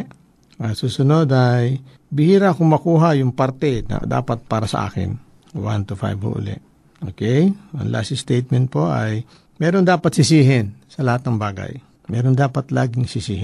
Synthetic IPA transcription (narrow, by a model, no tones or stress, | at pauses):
ɐsuːsʊnod̪ʔaj | bɪhiːɾaʔkʊŋmɐkuːɦajʊŋpaɾt̪ɛnɐ̰d̪a̰ːpɐt̪̚paːɾɐsɐ̰ʔa̰ːkɪ̰n | want̪ʊfa̰jbho̰ʔʊ̰lɛ̰ʔ | ʔo̰kɛjʔɐ̰ŋla̰sɪst̪ejt̪̚mɛnt̪̚poʔaj | mɛːɾond̪aːpɐt̪sɪsiːɦɪnsɐlɐhat̪̚nɐŋbaːɡa̰j | mɛːɾond̪aːpɐt̪laːɡɪŋsɪsiːhɪ